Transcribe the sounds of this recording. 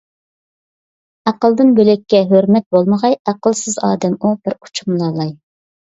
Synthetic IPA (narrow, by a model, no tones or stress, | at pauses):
æqəlˠd̪ɨnbølɛkʲːɛɦøɾmɛt̪̚bolˠməʁɑjæqəlˠsɨzɑ̰ːd̪ɛmubɪɾu̥t͡ʃʰumlˠɑːlˠɑj